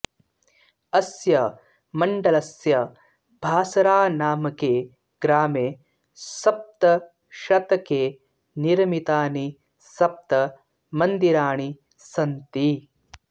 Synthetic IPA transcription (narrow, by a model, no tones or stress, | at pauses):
ɐsjɐ | mɐɳɖɐlɐsjɐ | bʱaːsɐɾaːnaːmɐkeː | ɡɾaːmeː | sɐp̚t̪ɐ | ʃɐt̪ɐkeː | niɾɐmit̪aːni | sɐp̚t̪ɐ | mɐnd̪iɾaːɳ̃i | sɐnt̪i